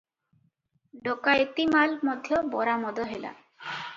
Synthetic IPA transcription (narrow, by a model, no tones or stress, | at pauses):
ɖokaet̪imalmɔd̪ʱjɔbɔɾamɔd̪ɔɦela̰